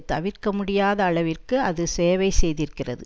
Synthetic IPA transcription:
t̪ɐʋɪrkɐmʊɽɪjaːðɐːɭɐʋɪrkɯɐðɯseːʋɐɪsɛjðɪɾkɪrɐ̰ðɯ

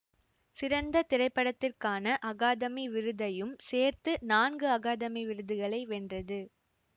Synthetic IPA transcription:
sɪɾɐnd̪ɐt̪ɪrɐɪpːɐɽɐt̪ːɪrkaːnɐʔɐɣaːðɐmiʋɪɾɯðɐjɯmseːɾt̪ɯnaːnɡɯɐɣaːðɐmiʋɪɾɯðɯɣɐɭɐɪʋɛndrɐðɯ

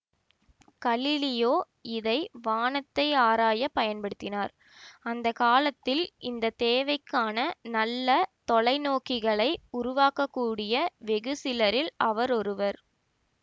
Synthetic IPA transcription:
kɐlɪlɪjoː | ɪðɐɪʋaːnɐt̪ːɐɪaːɾaːjɐpɐjɐnpɐɽɯt̪ːɪnaːɾ | ɐnd̪ɐkaːlɐt̪ːɪlʔɪnd̪ɐt̪eːʋɐɪkːaːnɐnɐlːɐt̪ɔɭɐɪnoːkɪɣɐɭɐɪʊɾʊʋaːkːɐkːuːɽɪjɐʋɛɣɯsɪlɐɾɪlɐʋɐɾɔɾɯʋɐɾ

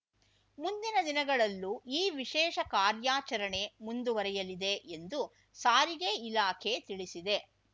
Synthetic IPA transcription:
mund̪inɐd̪inɐɡɐɭɐlːuʔiːʋiʃɛːʃɐkaːɾjaːt͡ʃɐɾɐɳe̞mund̪uʋɐɾɛjɐlid̪eʔend̪u | saːɾiɡe̞ilaːkʰet̪iɭisid̪e̞

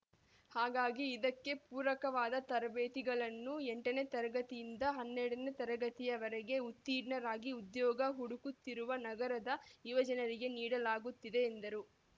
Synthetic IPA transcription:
haːɡaːɡiːd̪ɐkːe̞puːɾɐkɐʋaːd̪ɐt̪ɐɾɐbeːt̪iɡɐɭɐnːuɛɳʈɐne̞t̪ɐɾɐɡɐt̪ijind̪ɐɦɐnːeɽɐne̞t̪ɐɾɐɡɐt̪ijɐʋɐɾɛɡe̞ut̪ːiːɖnɐɾaːɡiud̪jɔːɡɐɦuɽukut̪ːiɾuʋɐnɐɡɐɾɐd̪ɐjuʋɐd͡ʒɐnɐɾiɡe̞niːɽɐlaːɡut̪ːid̪e̞ːnd̪ɐɾu

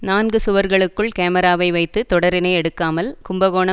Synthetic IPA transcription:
naːnɡɯsʊʋɐɾɣɐɭɯkːɯɭkeːmɐɾaːʋɐɪʋɐɪt̪ːɯt̪ɔɽɐɾɪnɐɪɛɽɯkːaːmɐlkʊmbɐɣoːɳɐ

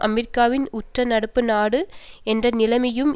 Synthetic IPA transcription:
ʔɐmɛɾɪkːaːʋɪnʊʈrɐnɐɽɯpːɯnaːɽɯ | ɛndrɐnɪlɐmɐjɯm

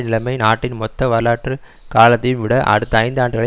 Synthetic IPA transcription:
nɪlɐɪmɐɪnaːʈːɪnmɔt̪ːɐʋɐɭaːʈrɯ | kaːlɐt̪ːɐjɯmʋɪɽɐʔɐ̰ɽɯt̪ːɐɐɪnd̪ɯaːɳɖɯɣɐɭɐ

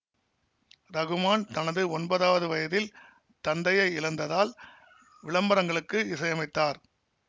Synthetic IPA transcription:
ɾɐɣɯmaːnt̪ɐnɐðɯɔnbɐðaːʋɐðɯʋɐjɐðɪl | t̪ɐnɖɐjɐɪɪlɐnd̪ɐðaːl | ʋɪɭɐmbɐɾɐŋɡɐɭɯkːɯɪsɐjɐmɐɪt̪ːaːɾ

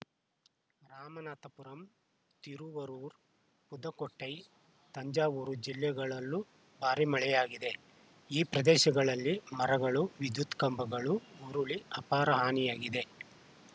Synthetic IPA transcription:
ɾaːmɐnaːt̪ɐpuɾɐm | t̪iɾuʋɐɾuːɾ | pud̪ɐkoʈːɐj | t̪ɐɲd͡ʒaːʋuːɾud͡ʒiljɐɡɐɭɐlːu | bʱaːɾimɐɭɛjaːɡid̪e̞ | iːpɾɐd̪ɛːʃɐɡɐɭɐlːimɐɾɐɡɐɭuʋid̪jut̪kɐmbɐɡɐɭuuɾuɭiɐpaːɾɐɦaːnijaːɡid̪e̞

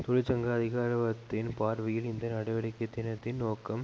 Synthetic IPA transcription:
t̪ɔɻɪt͡ʃɐŋɡaːɐðɪɣaːɾɐʋɐt̪ːɪnpaːɾʋɪjɪlɪnd̪ɐnɐɽɐɪʋɐɽɪkːɐt̪ːɪnɐt̪ːɪnnoːkːɐm

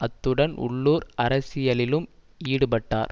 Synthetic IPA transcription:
ɐt̪ːɯɽɐnʊ̰ɭːuːɾɐɾɐsɪjɐɭɪlɯm | iːɽɯpɐʈːa̰ːɾ

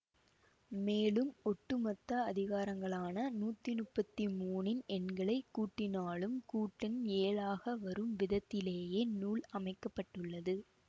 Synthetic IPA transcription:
meːlɯmɔʈːɯmɐt̪ːɐɐðɪɣaːɾɐŋɡɐɭaːnɐnuːt̪ːinʊpːɐt̪ːimuːnɪnɛnɡɐɭɐɪkːuːʈːɪnaːɭɯmkuːʈːɪneːlaːɣɐʋɐɾɯmʋɪðɐt̪ːɪleːjeːnuːɭɐmɐɪkːɐpːɐʈːɯɭːɐðɯ

